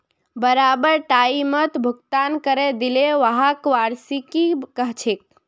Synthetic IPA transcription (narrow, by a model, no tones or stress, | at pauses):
bəɾabəɾʈaimət̪bʱuk̚t̪ankəɾed̪ileʋəɦakʋaɾsikikəɦt͡ʃʰek̚